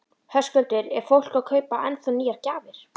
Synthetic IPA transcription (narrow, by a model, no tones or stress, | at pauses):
hœ̥skœlt̪ɪɾɛɾ̥fowl̥kawkʰœːɥpaʔɛnθœnːiːjaɾ̥caːvɪɾ̥